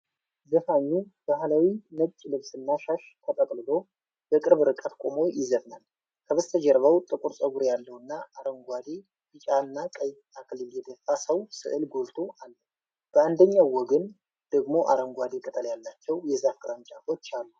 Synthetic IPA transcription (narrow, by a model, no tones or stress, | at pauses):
zəfaɲːub̥ahlawinəɡt͡ʃʼːlɨβsɨnːaʃaʃt̪ʰət̪ʼəkʼlɨlo̞ | bəkʼɨɾβɨɾɨkʼət̪kʼomo̞jjɪzəβnal | kʰəβəst̪ʰəd͡ʒɛɾβəwt̪ʼɨkʼuɾsʼəɡuɾjalːəwɨnːaaɾəŋɡʷad̪i | bɨt͡ʃʼaɨnːakʼəj̪ʰ | akʰɨlɨljɛd̪əfːasəwsɨ̰ʔɨlɡolt̪ʰoʔalːə | b̥əand̪əɲːawːɔɡən | d̪̥əɡmo̞ʔa̰ɾəŋɡʷad̪ikʼət̪ʼəljalːat͡ʃːɛwjɛzafkʼɨɾant͡ʃʼafot͡ʃːalːu